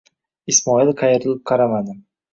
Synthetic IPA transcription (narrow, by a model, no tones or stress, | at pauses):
ɪsmɒɪlqʰɑjɪɾɪlɪp̚qʰɑɾamad̪ɪm